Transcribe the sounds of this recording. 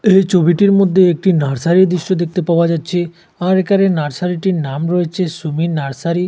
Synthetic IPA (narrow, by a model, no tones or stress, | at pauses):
et͡ɕʰobiʈiɾmod̪ʱːeek̚ʈinaɾsaɾid̪ɾiʃʈod̪ek̚t̪epaoad͡ʑatːɕʰe | aɾekaɾenaɾsaɾiʈinamɾɔet͡ɕʰesuminaɾsaɾi